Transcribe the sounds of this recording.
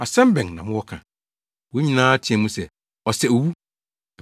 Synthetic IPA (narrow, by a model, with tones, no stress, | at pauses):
a˨sɛ̃˦m˦bɛ̃˨ŋnã̰˨mʊ̃˦wɔ˦kʰã̰˨ | wo˨˦ɲĩ˨nãː˦a˦tʰi˨ɛ̃˨mũ˦sɛ˨ | ɔ˨sɛ˨o˨wu˦